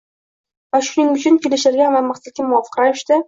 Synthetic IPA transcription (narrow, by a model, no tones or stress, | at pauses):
vaʃʊnɪŋʊt͡ʃʰʊnkʲʰelɪʃɪɾɡʲanvamaχsat̪̚kʲamʊɒfɨ̥qɾajɪʃt̪ɪ